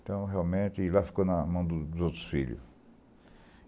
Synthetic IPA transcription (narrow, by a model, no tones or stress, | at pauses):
t̪ɐ̃w̃ɦeawmẽt̪ɪlafi̥konɐmɐ̃w̃d̪ʊd̪ʊzowt̪ɾʊ̥sfiʎʊ̰